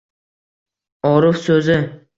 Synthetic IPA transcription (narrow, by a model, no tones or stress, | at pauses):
ɒɾʊfsɵzɪ